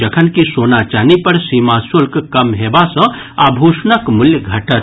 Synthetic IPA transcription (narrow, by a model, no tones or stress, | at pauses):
d͡ʒəkʰənkisonat͡ʃaːnipəɾsimasulkkəmɦebasə̃ | abʱusnəkmʊljəɡʱəʈət̪